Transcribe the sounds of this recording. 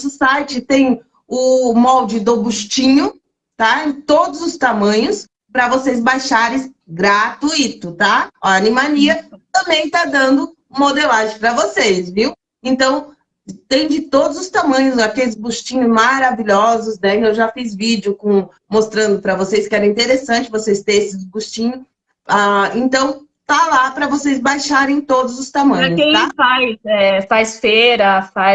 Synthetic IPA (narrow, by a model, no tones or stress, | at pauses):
sʊsajt͡ʃɪt̪ẽj̃ | ʊmɔwd͡ʒɪd̪obuʃt͡ʃĩɲʊ | t̪ad͡ʒɪt̪od̪ʊzʊst̪amɐ̃ɲʊs | pɾɐvosejzbajʃaɾɪ̃ | ɡɾat̪uit̪ʊt̪aaanĩmaliɐt̪ɐ̃mbẽj̃t̪ad̪ɐ̃nd̪ʊ | umod̪elaʒẽpɾɐvosejsviw | ẽnt̪ɐ̃w̃ | t̪ẽj̃d͡ʒɪt̪od̪ʊzʊst̪amɐ̃ɲʊzakelɪzbuʃt͡ʃĩɲʊzmaɾaviʎɔzʊznɛewʒafizvid͡ʒɪʊkõ | most̪ɾɐ̃nd̪ʊpɾɐvosejskɪɛɾɐĩnt̪eɾesɐ̃nt͡ʃɪvosejst̪eesɪzbust͡ʃĩɲʊ | aẽnt̪ɐ̃w̃ | t̪alapɾɐvosejzbajʃaɾẽj̃t̪od̪ʊzʊst̪amɐ̃ɾɐɲʊsẽj̃afajsɛfajsfeɾɐfa